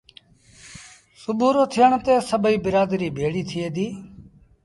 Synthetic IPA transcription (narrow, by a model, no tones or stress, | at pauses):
sʊbʱuːɾoːt̪ʰɪjəɳt̪eːsəbəiːbɪɾaːd̪ɾiːbʱeːɽiːt̪ʰɪeːd̪iː